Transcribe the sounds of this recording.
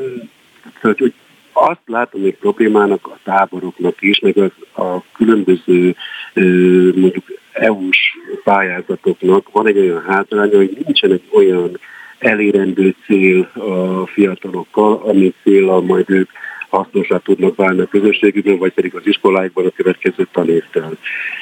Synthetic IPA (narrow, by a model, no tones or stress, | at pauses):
ocho̞ɟ | ɒst̪laːt̪o̞mɛc̚pro̞bleːmaːnɒkɒt̪aːbo̞ɾo̞knɒkiʃmɛɡɒzɒkylø̞mbø̞zøː | mo̞ɲɟukɛuʃpaːjaːzɒt̪o̞knɒkʋɒnɛɟːo̞jɒnɦaːzlaːɲɒho̞ɟnint͡ʃɛnɛɟːo̞jɒnɛleːɾɛnd̪øːt̪seːlɒfijɒt̪ɒlo̞kːɒlɒmit̪seːlːɒlmɒjd̪øːkhɒsno̞ʃaːt̪ud̪nɒkvaːlniɒkø̞zø̞ʃːeːɡybɛɱvɒc̚pɛd̪iɡɒziʃko̞laːjiɡ̚bɒnɒkø̞vɛt̪kɛzøːt̪ɒneːft̪ɛl